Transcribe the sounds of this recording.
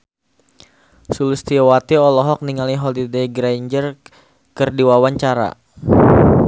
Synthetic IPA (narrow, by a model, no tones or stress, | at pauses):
sulust̪iwat̪iɔlɔɦɔk̚niŋaliɦɔlideɡɾajɲd͡ʒər | kɨrdiwawaɲt͡ʃaɾa̰